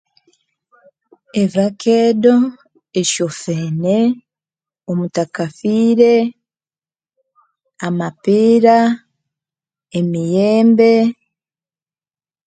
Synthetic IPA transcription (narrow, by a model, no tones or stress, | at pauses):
evakʰeːdo̞ | eʃo̞feːne̞ | omutakafiːɾe̞ | amapiːɾa | emijeːmbe̞